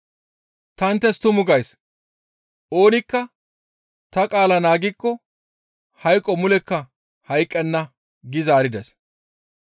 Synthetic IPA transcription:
t̪ɐnt̪ːɛst̪ʊmʊɡɐjs | ʔo̞ːnɪkːɐ | t̪ɐkʼaːlɐnaːɡɪkːɔ | hɐjkʼːɔmʊlɛkːɐ | hɐjkʼːɛnːɐ | ɡɪzaːɾɪd̪ɛs

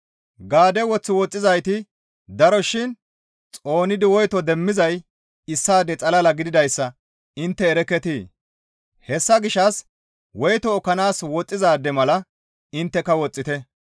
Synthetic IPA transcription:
ɡaːd̪ɛwɔt͡sːɪwɔt͡sʼːɪzɐjt̪ɪ | d̪ɐɾɔʃɪn | t͡sʼo̞ːnɪd̪ɪwɔjt̪ɔd̪ɛmːɪzɐj | ɪsːaːd̪ɛt͡sʼɐlɐlɐɡɪd̪ɪd̪ɐjsːɐ | ɪnt̪ːɛːɾɛkːɛt̪iː | hɛsːɐɡɪʃːɐs | wɔjt̪ɔːkːɐnaːswɔt͡sʼːɪzaːd̪ːɛmɐlɐ | ɪnt̪ːɛkːɐwɔt͡sʼːɪt̪ɛ

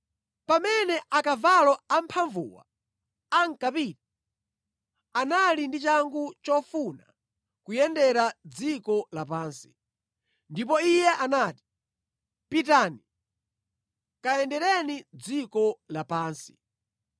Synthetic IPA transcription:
pamɛnɛʔakavalɔam̩pʰaɱvṵwa̰ | aŋ̩kapiːti | analindit͡ʃaŋɡut͡ʃɔfuna̰ | kujɛndɛɾad͡zikɔlapaːnsi̥ | ndip̬ɔijɛʔanaːti̥ | pitaːni | kaɛndɛɾɛnid͡zikɔlapaːnsi̥

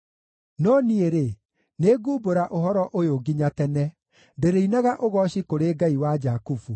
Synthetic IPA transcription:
nɔnieɾe | neɡuboɾaʔoɦɔɾɔʔojoɡiɲatɛnɛ | ndeɾeinaɣaʔoɣɔɕikoɾeːɡaiwad͡ʒakufu

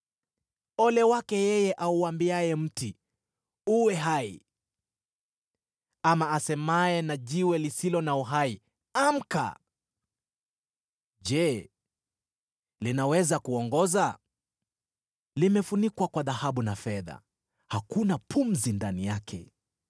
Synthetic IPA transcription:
ɔlɛwakɛjɛjɛʔauambiajɛm̩ti | uwɛɦaḭ | amaːsɛmaɛnaʄiwɛlisilɔnauɦai | am̩ka̰ | ʄɛ | linawɛzakuɔŋɡɔza | limɛfunikwakwaðahaɓunafɛða̰ | hakunapʰum̩zindanijakʰɛ̰

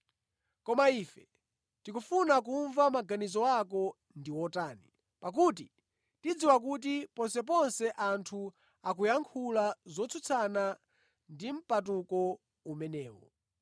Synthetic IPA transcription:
kɔmaiːfɛ | tikufunakuɱvamaɡanizɔakɔ | ndiwɔtaːni | pak̬ut̬i | tid͡ziwak̬ut̬ipɔnsɛp̬ɔnsɛʔantʰu | ak̬ujaŋkʰulazɔt͡sʰut͡sʰana | ndim̩patukɔ | umɛnɛːwɔ̰

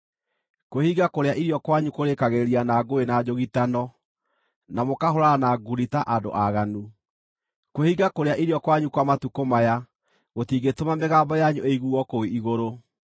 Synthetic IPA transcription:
kohiɡakoɾeaʔiɾjɔkwaɲukoɾekaɣeɾianaɡoenad͡ʑoɣitanɔ | namokahoɾaanaɡuɾitaʔado̰ʔaɣanu | kohiɡakoɾeaʔiɾiɔkwaɲukwamatukomaja | ɣotiːɡetomameɣaːbɔjaɲueiɣuɔkoiʔiɣoɾo

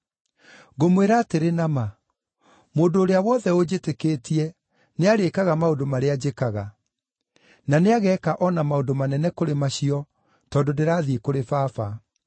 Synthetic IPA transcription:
ɣomweɾaːteɾenama | moːdoːɾeawɔðɛod͡ʑetekeːtiɛ | neaɾekaɣamaodomaɾead͡ʑekaɣa | naneaɣɛkaʔɔnamaodomanɛnɛkoɾemaɕiɔ | tɔdondeɾaːðiekoɾefafa

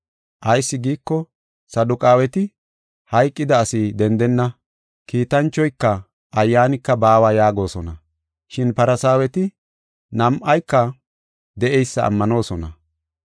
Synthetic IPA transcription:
ʔɐjsːɪɡiːkːɔ | sɐd̪ʊkʼaːwɛt̪ɪ | hɐjkʼːɪd̪ɐːsid̪ɛnd̪ɛnːɐ | kiːt̪ɐnt͡ʃːɔjkːɐ | ʔɐjːaːnɪkːɐbaːwaːjaːɡo̞ːsɔnɐ | ʃɪnpɐɾɐsaːwɛt̪ɪ | nɐmʔɐjkːɐ | d̪ɛʔɛjsːɐ̰ːmːɐno̞ːsɔnɐ

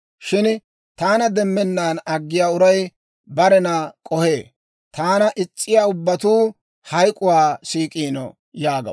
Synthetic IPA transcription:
ʃɪn | t̪aːnɐd̪ɛmːɛnːaːnɐɡːɪjaːʊɾɐj | bɐɾɛnɐkʼɔhe̞ː | t̪aːnɐʔɪt͡ʃʼːɪjaːʊbːɐt̪uː | hɐjkʼʊwaːsiːkʼiːnɔ̰ | jaːɡɐ̰

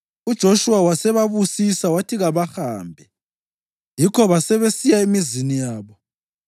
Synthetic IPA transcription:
ud̥ʒ̥ʱoʃuwawasɛβaβusisawatʰiɣaβaxaːmbʱɛ | jikʰɔβasɛβesijaemizinijaːβɔ

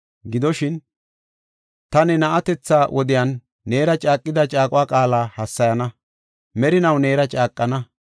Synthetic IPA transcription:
ɡɪd̪ɔʃɪn | t̪ɐnɛnɐʔɐt̪ɛt͡sːaːwʔɔd̪ɪjaːnː | e̞ːɾɐt͡ʃʼaːkʼːɪd̪ɐt͡ʃʼaːkʼʊwaːkʼaːlaːhɐsːɐjɐnɐ | mɛɾɪnɐwne̞ːɾɐt͡ʃʼaːkʼːɐnɐ

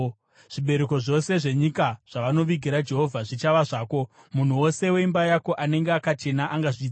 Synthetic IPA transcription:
ʐ̥iɓe̞ɾeko̞ʐo̞se̞ʐe̞ɲikaʐ̥aʋano̞ʋiɡʱiɾad͡ʒe̞ɦo̞vʱaʐit͡ʃaʋaʐaːko̞ | mun̤uwo̞se̞we̞imbajako̞ʔane̞ŋɡeakat͡ʃe̞naʔaŋɡaʐiːd͡za

